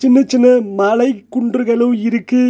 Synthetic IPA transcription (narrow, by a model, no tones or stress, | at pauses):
t͡ʃɪnːɐt͡ʃɪnːɐmɐlɐɪkːʊɳɖrɯɣɐɭɯɪɾɯkːɯ